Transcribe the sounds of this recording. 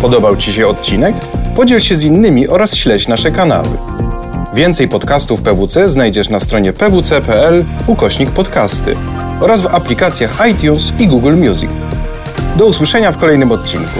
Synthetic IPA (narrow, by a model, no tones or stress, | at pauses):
pɔd̪ɔbawt͡ɕiɕɛɔt̪̚t͡ɕinɛk | pɔd͡ʑɛlɕɛzinːɘmʲiʔɔɾasɕlɛt͡ɕnaʂɛkana̰wɘ̰ | vʲjɛnt̪sɛjpɔt̪kast̪ufpɛvut̪sɛznajd͡ʑɛʂnast̪ɾɔɲɛpɛvut̪sɛpɛɛl | ukɔɕɲik̚pɔt̪kast̪ɘ̰ | ɔɾazvaplʲikat̪sʲjaxajt̪ʲjunsiɡuɡlmʲjuzʲḭk | d̪ɔuswɘʂɛɲafkɔlɛjnɘmɔt̪̚ʲt͡ɕinku